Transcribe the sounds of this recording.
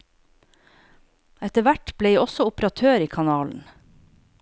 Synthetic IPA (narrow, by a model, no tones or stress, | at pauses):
ɛt̪əʋæʈb̥leːiːɔsɔʊpɾɑt̪ʰøːɾiːkʰɑnɑːln̩